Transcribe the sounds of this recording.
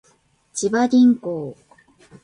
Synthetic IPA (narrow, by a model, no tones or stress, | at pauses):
t͡ɕibaɾʲĩŋkoː